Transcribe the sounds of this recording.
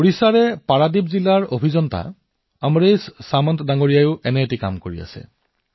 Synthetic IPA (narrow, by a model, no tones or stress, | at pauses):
oɹisaɹɛpaɹadibzilaɹobʱizɔnta̰ | amɹejssamɔntʰdaŋoɹijajʊʔɛnɛetika̰mkoɹia̰sɛ̰